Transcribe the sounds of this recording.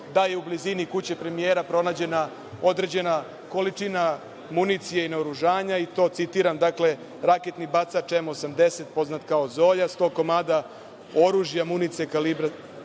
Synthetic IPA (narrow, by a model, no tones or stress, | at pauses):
d̪aje̞ublizinikut͡ɕepɾe̞mijeːɾapɾo̞naːd͡ʑe̞na | o̞d̪ɾe̞d͡ʑe̞na | ko̞lit͡ʂina | munit̪sijeineoɾuʒaːɲait̪o̞ːt̪sit̪iːɾamd̪akle̞ | ɾaket̪nibat̪sat͡ʃemuosamd̪e̞se̞t̪̚po̞znat̪kao̞zo̞ːʎast̪o̞ːko̞maːd̪a | o̞ɾuːʒjamunit̪sijekalibɾa